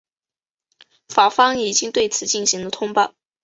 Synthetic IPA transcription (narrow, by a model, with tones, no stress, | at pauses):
fa˨˩fɑ˥ŋi˨˩t͡ɕi˥ŋt̪we˥˩ɪt͡sʰɹ̩˨˧˦t͡ɕi˥˩ŋɕi˧˥ŋlə˧t̪ʰʊ˥ŋpa˥˩